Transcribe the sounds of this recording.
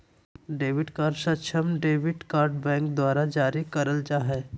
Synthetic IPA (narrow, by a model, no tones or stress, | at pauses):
ɖeːʋɪʈkaːɾɖʃətʃʰəmɖeːʋɪʈkaːɾɖbɛ̃ːŋkd̪waːɾad͡ʒaːɾikɐɾəld͡ʒaːɦɛː